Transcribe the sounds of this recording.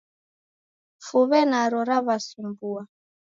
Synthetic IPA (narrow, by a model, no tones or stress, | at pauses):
fuβɛnaɾɔɾaβasimbua